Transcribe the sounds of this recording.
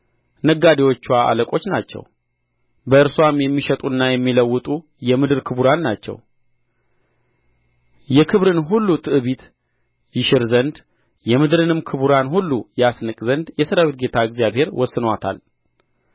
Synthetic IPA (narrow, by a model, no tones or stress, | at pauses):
nəɡːad̪iwo̞t͡ʃːwaʔa̰ləkʼo̞t͡ʃːnat͡ʃːɛ̰w | bəɨɾswamjɛmːiʃɛt̪ʼunːajɛmːiləwːɨt̪ʼu | jɛmɨd̪ɨɾkʰɨbuɾanːat͡ʃːɛ̰w | jɛkʰɨβɾɨnɦulːut̪ʰɨʔɨβit̪ | jɪʃɪɾzənd̪ | jɛmɨd̪ɾɨnɨmkʰɨβuɾanhulːujɛasnɨkʼzənd̪jɛsəɾəwit̪̚ɡe̞t̪ʰaɨɡzijabhe̞ɾwɔsːɨnwat̪ʰa̰l